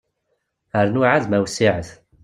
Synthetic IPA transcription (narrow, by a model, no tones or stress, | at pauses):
əɾnʊʕaðmæwsiʕəθ